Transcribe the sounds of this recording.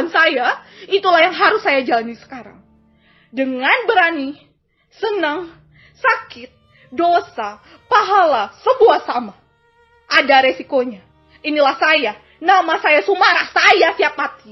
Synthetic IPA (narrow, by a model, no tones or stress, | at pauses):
nsajait̪ulahjaŋɦaɾʊsːajad͡ʒalanisə̥kaɾa̰ŋ | dəŋanbəɾani | sənəŋ | sakɪt̪̚ | dosa | paɦalasəbuahsama | ʔadaɾesikoɲa | inilahsaja | namasajasumaɾahsajasiap̚at̪i